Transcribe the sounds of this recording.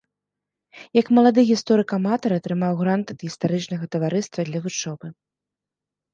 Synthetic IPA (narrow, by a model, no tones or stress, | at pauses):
jɐkmɐlˠad̪ɨɣʲist̪ɔɾɨkamat̪ɐɾɐt̪ɾɨmawɣɾant̪ɐd̪ɣʲist̪aɾɨt͡ʂnɐɣɐt̪ɐvaɾɨst̪vɐd̪lʲɐvut͡ʂɔbɨ